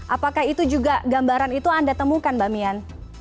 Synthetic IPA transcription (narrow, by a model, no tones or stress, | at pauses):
ʔapakahit̪ud͡ʒuɡaɡambaɾanit̪uandat̪əmukanbamian